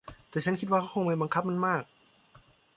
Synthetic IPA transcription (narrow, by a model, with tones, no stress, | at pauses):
t̪ɛː˨˩t͡ɕʰa˦˥nkʰi˦t̪̚waː˥˩kʰa˦˥˩ko˧ŋmaː˧˩jba˧ŋkʰa˦˥p̚ma˧nmaː˥˩k̚